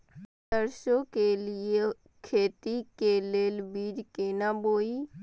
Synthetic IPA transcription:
t̪əɾʃõkelɪe | kʰeːt̪ikeleːlbiːd͡ʒkenaboːi

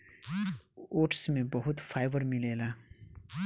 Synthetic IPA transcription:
oʈʰsmebʌɦut̪pʰajbʌɾmilela

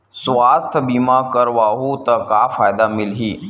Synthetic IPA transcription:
sʋaːst̪ʰbiːmakəɾʋaːɦut̪ɐkafaːjd̪amɪlɦiː

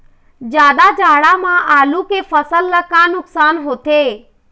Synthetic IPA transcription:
d͡ʒjaːd̪ad͡ʒaːɽamãʔaːlukefəsəlːəkãːnʊksaːnɦoːt̪eː

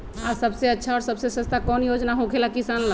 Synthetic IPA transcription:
asəbseətːt͡ʃʰaɔɾsəbsesə̃st̪ʰakɔnjod͡ʒnaɦokʰelakisanl

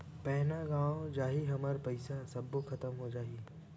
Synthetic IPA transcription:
pɛːnaɡãːod͡ʒaːɦiɦɐməɾpɐɪsasɐbːokʰɐt̪əmɦod͡ʒaːɦiː

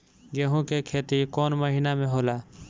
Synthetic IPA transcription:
d͡ʒeɦũkekʰeːt̪ikoːnməɦiːnamẽɦoːlaː

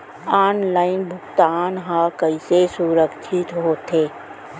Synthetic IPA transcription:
aːnlaːɪnbʱʊɡt̪aːnɦãkəɪsesuɾəkt͡ʃʰɪt̪ɦoːt̪eː

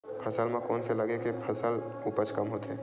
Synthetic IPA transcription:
pʰɐsəlmãkɔːnselɐɡekepʰɐsəl | upət͡ʃkɐmɦoːt̪eɦɛː

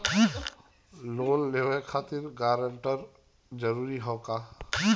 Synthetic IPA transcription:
loːllewekʰaːt̪iɾɡaːɾəɳʈəɾ | d͡ʒəɾuɾiɦɔːka

